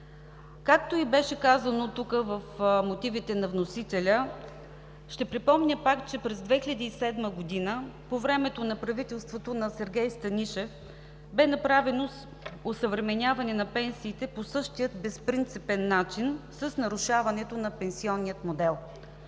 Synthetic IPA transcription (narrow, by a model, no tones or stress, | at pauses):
kak̚t̪oibɛʃɛkazənot̪ukəvəfmot̪ivit̪ɛnɐvnosit̪ɛlʲə | ʃt̪ɛpɾipɔmnʲəpakt͡ʃɛpɾɛzd̪vɛxilʲəd̪iːsɛd̪məɡod̪inəpovɾɛmɛt̪onɐpɾɐvit̪ɛlˠst̪vot̪onɐsɛɾɡʲɛjst̪ɐnʲiʃɛf | bɛnɐpɾavɛnos | osəvɾɛmɛnʲavɐnɛnɐpɛnsiːt̪ɛposɤʃt̪ijət̪bɛspɾint̪sipɛnːat͡ʃinsəsnɐɾuʃavɐnɛt̪onɐpɛnsiɔnːijət̪mod̪ɛlˠ